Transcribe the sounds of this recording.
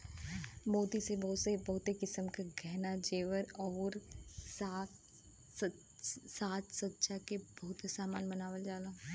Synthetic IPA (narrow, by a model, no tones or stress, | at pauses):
moːt̪isebɐɦʊt̪sebɐɦʊt̪ekɪsəmkaɡʱɛɦnad͡ʒeːʋəɾɔːɾa | saːt̪sɐtːʃakebɐɦʊt̪esaːmaːnbɐnaːʋəld͡ʒaːla